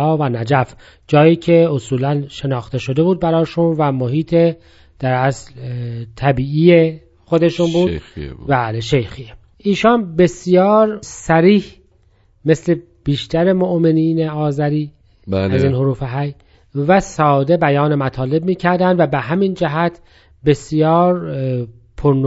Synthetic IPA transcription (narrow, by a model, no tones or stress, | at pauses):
ɒːvænæd͡ʒæf | d͡ʒɒːjiːcʰe̞osuːlænʃe̞nɒːxt̪e̞ʃod̪e̞buːd̪̚bæɾɒːʃunvæmoɦiːt̪ʰe | d̪̥æɾæslt̪ʰæbiːiːje | xo̞d̪e̞ʃunbuːdbæːleʃejxie | ʔiːʃɒːnbe̞sjɒːɾsæɾiːh | me̞sle̞ | b̥iːʃt̪æɾe̞moʔmeniːneɒːzæɾiː | bæziːnhoɾuːfeɦæj | væsɒːd̪e̞bæjɒːnemæt̪ʰɒːle̞b̚miːcʰæɾd̪ænd̪væbeɦæmind͡ʒæɦæt̪ʰ | be̞sjɒːɾ | pʰoɾn